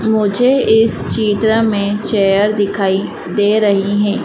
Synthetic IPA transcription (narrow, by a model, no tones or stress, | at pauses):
mʊd͡ʒʱeɪs | t͡ʃiːt̪ɾəmẽt͡ʃɛːjəɾd̪ɪkʰaːi | d̪eːɾɐɦiɦɛ̃ː